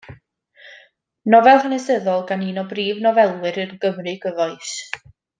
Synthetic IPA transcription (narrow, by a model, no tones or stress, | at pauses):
nɔvɛlˠhənɛsəðɔlˠɡaninɔbriːvnɔvɛlˠwɨɾənɡəmrɨɡ̥əvɔɨs